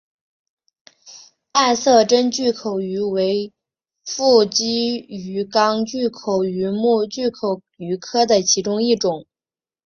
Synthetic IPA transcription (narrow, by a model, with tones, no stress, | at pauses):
a˥˧ɪsɤ˥˩ʈ͡ʂə˥nt͡ɕy˥˩kʰo˨˩ʊy˧˥we˧˥ɪ | fu˥˩t͡ɕi˥y˧˥kɑ˥ŋt͡ɕy˥˩kʰo˨˩ʊy˧˥mu˥˧t͡ɕy˥˩kʰo˨˩˦ʊ | y˧˥kʰɤ˥d̪ə˨t͡ɕʰi˧˥ʈ͡ʂʊ˥ŋi˥˩ʈ͡ʂʊ˨˩˦ŋ